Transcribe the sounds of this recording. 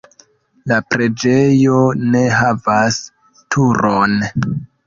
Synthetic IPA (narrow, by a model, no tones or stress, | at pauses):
lapɾe̞d͡ʒe̞jo̞ne̞ɦavas | tʰuɾon